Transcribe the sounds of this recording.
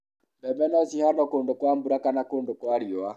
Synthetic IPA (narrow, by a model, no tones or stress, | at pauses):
mbɛbɛnɔsihanɔkoːndokwambuɾakanakondokwaɾjɔa